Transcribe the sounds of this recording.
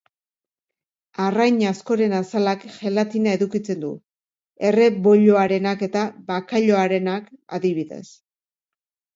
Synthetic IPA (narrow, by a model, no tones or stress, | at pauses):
arajɲasko̞ɾe̞nasalakʝe̞lat̪inae̞ðukit͡se̞nd̪u | e̞re̞βo̞ʎoaɾe̞nake̞t̪aβakaʎo̞aɾe̞naka̰ðiβ̞iðe̞̰s